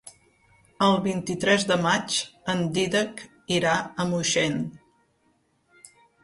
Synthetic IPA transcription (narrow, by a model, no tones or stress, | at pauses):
əlˠβint̪it̪ɾɛzd̪əmat͡ʃənd̪iðək | iɾaəmuʃen